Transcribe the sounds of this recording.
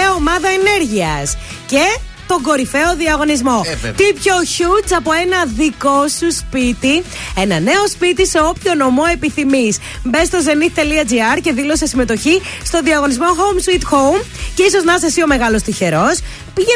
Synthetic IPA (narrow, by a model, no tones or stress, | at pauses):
ɐomɐðɐene̞ɾʝiɐs | ce̞ | t̪o̞ŋɡo̞ɾife̞o̞ðiɐɣo̞nizmo̞t̪ipço̞çut͡sɐpo̞e̞nɐðiko̞suspit̪ienɐne̞o̞spit̪ise̞o̞pço̞no̞mo̞e̞piθimis | mbe̞st̪o̞ze̞nit̪t̪e̞liɐd͡ziɐɾce̞ðilo̞sesime̞t̪o̞çist̪o̞nðiɐɣo̞nizmo̞xomsit̪xowm | ceiso̞znɐsesio̞me̞ɣɐlo̞st̪içe̞ɾo̞s | piʝe